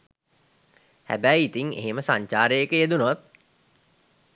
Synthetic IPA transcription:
hæ̰bæjit̪iŋḛɦeməsaɲt͡ʃaːɾəjekəjed̪unʋɐt̪̚

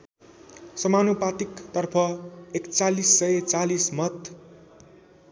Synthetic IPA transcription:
sʌmanupat̪ikt̪ʌrpʰʌekt͡salisːʌjet͡salismʌt̪

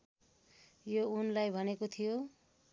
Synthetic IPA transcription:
jounlajbʱʌnekot̪ʰijo

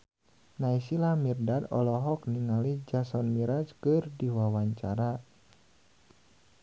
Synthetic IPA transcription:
naisilamirdadɔ̰lɔɦɔk̚niŋalid͡ʒasɔnmiɾat͡ʃkɨrdiwawaɲt͡ʃaɾa

